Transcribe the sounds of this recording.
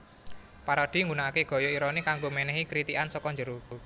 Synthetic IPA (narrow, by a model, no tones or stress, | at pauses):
paɾɔd̪̥i̤ŋɡunakeɡ̥ɔ̤jɔiɾɔnikaŋɡomenɛɦikɾit̪ikansɔkɔɲd͡ʒəɾuu